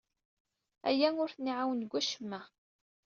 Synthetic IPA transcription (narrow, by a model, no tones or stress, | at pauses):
æ̰jænʊɾθəniʕawənɡʷːæʃəmːæ